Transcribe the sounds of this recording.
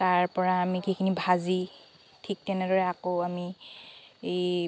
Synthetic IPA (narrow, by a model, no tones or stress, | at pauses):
taɹpɔɹaːmikikʰinibʱazi | tʰik̚tɛnɛdɔɹɛakoami | ej